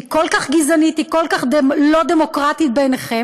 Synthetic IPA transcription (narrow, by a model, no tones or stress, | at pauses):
kolkaχɡizanit̪ikolkaχdelo̞d̪emokʁat̪it̪̚beneχem